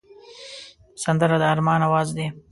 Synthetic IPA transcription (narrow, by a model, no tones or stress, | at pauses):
sand̪əɾad̪əaɾmɑnawɑzd̪e